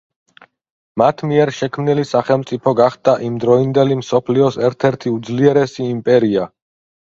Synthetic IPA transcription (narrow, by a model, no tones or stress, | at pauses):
mat̪ʰmiɛɾʃɛkʰmnilisaχɛlˠmt̪sʼipʰɔɡaχd̪aʔimd̪ɾɔind̪ɛlimsɔpʰliɔsɛɾt̪ʰɛɾt̪ʰiud̪zliɛɾɛsiːmpʼɛɾia